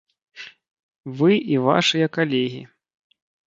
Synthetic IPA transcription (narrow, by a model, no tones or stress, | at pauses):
vɨʔiva̰ʂɨjɐkalʲɛɣʲḭ